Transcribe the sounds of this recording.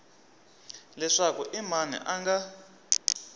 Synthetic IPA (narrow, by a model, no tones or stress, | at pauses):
lɛʂakuʔimanɛ̰ʔaŋɡa